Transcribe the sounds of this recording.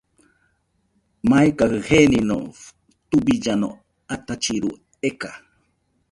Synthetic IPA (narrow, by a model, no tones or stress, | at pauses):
majkahɨhenino̰ | t̪ubid͡ʒano̰ | at̪at͡ʃiɾṵ | eka